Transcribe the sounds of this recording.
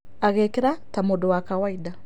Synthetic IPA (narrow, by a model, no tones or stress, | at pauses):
aɣeːkeɾatamodowakawaida